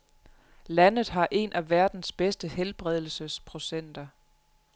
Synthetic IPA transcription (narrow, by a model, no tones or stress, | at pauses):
lænð̞̩ˠɦɑ̈ʔe̝nʔæʋæɐd̥n̩sb̥esd̥əhelb̥ʁɛð̞̰ˠl̩səspʰʁo̝sen̰d̥ɐ